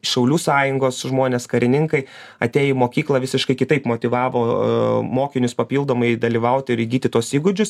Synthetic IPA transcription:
ʃʲɛʊlʲuːsɑːjʊŋɡoːsʒmoːnʲeːskɐɾʲɪnʲɪŋkɐɪ | ɐt̪ʲeːjomoːkʲiːklˠɐʋʲɪsʲɪʃkɐɪkʲɪt̪ɐɪpmoːt̪ʲɪʋɑːʋoːmoːkʲɪnʲʊspɐpʲiːlˠd̪oːmɐɪd̪ɐlʲiːʋɐʊt̪ʲɪɪɾɪɡʲiːt̪ʲɪt̪uɔsiːɡʊd͡ʒʲʊs

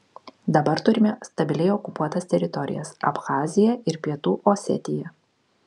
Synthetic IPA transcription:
d̪ɐbɐɾt̪ʊɾʲɪmʲɛst̪ɐbʲɪlʲɛɪɔkʊpuɔt̪ɐst̪ʲɛɾʲɪt̪ɔɾʲɪ̰jɛ̰sɐ̰pxɑːzʲɪjɛɪɾpʲiɛt̪uːʔosʲɛ̰t̪ʲɪjɛ

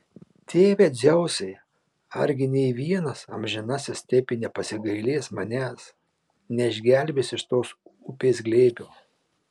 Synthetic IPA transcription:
t̪ʲeːʋʲeːd͡zʲɛʊsʲɛɪ | ɐ̰ɾʲɡʲɪnʲɛɪʋʲiɛnɐsɐ̰mʲʒʲɪnɑsʲɪst̪ʲɛpʲɪnʲɛpɐsʲɪɡɐɪlʲeːsmɐnʲæːs | nʲɛɪʒʲɡʲælʲbʲɪsɪʃt̪oːsʊpʲeːs̬ɡlʲeːbʲuː

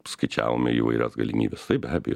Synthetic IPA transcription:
skɐɪt͡ʃʲæ̰ːʋoːmʲɪiːʋɐ̰ɪɾʲʔɛsɡɐlʲɪmʲiːbʲɛst̪ɐɪpbʲæːbʲɛ̰jo

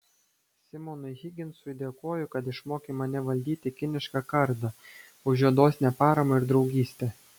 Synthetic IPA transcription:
sʲɪmɔnʊɪɣʲɪɡʲɪnsʊɪd̪ʲeːkoːjʊkɐt̪ɪʃmoːkʲemɐnʲɛʋɐlʲd̪ʲiːt̪ʲɪkʲɪnʲɪʃkɑkɐɾd̪ɐ | ʊʒʲuɛd̪oːsʲnʲɛpɑːɾɐmɐɪɾd̪ɾɒʊɡʲiːsʲt̪ʲe

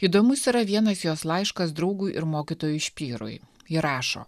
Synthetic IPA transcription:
iːd̪oːmʊsiːɾɐʋʲiɛnɐsjoːslˠɑɪʃkɐsd̪ɾɐʊɡuːʔɪ̰ɾmoːkʲit̪oːjuʃʲpʲiːɾʊ̰j | jɪɾɑːʃo̰ː

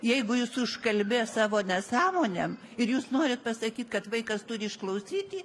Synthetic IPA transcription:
jɛɪɡʊjuːsʊʃkɐlʲbʲeːsɑːʋoːnʲɛsɑːmoːnʲem | ɪɾjuːsnoːɾʲɪt̪̚pɐsɐkʲiːt̪kɐt̪ʋɐɪkɐst̪ʊɾʲɪɪʃklˠɐʊsʲiːt̪ʲiː

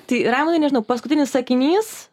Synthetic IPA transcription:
t̪ɐɪɾɑːmʊd̪ɐɪnʲɛʒʲɪnɐʊpɐskʊt̪ʲɪnʲɪssɐkʲɪnʲiːs

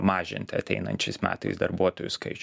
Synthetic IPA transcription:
mɑːʒʲɪ̰nʲt̪ʲɐt̪ʲɛɪnɐ̰nʲt͡ʃʲɛɪsmʲæ̰ːt̪ɐɪsd̪ɐɾbuɔt̪ojʊskɐɪt͡ʃ

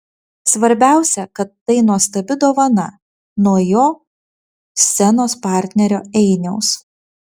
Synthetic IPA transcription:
sʋɐɾʲbʲæˑʊsʲɛkɐt̪ːɐɪnuɔst̪ɐbʲɪd̪oːʋɐnɐ | nuɔjoː | sʲɛnoːspɑˑɾʲt̪ʲnʲɛɾʲoːɛɪnʲɛʊs

